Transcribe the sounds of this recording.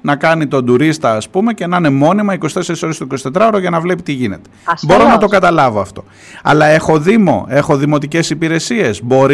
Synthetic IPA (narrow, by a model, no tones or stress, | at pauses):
nɐkɐnit̪o̞nd̪uɾist̪ɐːspume̞ce̞nɐne̞mo̞nimɐikosi̥t̪e̞seɾiso̞ɾest̪oiko̞si̥t̪e̞t̪ɾɐo̞ɾoʝɐnɐvle̞pit̪iʝine̞t̪ebo̞ɾo̞nɐt̪o̞kɐt̪ɐlɐvo̞ɐft̪o̞ | ɐ̰lɐe̞xo̞ðimo̞̰e̞xo̞ðimo̞t̪ice̞sipiɾe̞sie̞zbo̞ɾ